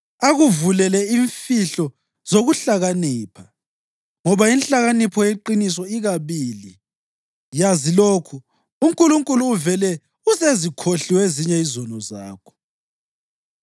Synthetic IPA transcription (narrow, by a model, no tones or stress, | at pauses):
aɣuvulɛlɛiɱfiɬɔ | z̥oɣuɬaɣaniːpʰa | ŋɔβainɬaɣanipʰɔjeǃinis̬ɔiɣaβiːli | jaziloːkʰu | uŋkʼuluŋkʼuluːvɛlɛ | usezikʰoɬiweziɲɛizɔnɔza̰ːkʰɔ̥